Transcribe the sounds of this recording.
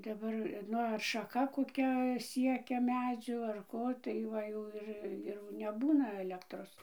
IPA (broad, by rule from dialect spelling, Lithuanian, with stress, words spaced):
dɐˈbɐr ˈnʊ ɐr ʃɐˈkɐ koːˈkʲɛ ˈsʲiɛkʲɛ ˈmʲæːd͡zʲuː ɐr ˈkoː tɐɪ ˈʋɐ jɛʊ ˈɪr ɪr nʲɛˈbuːnɐ ɐˈlʲæːktroːs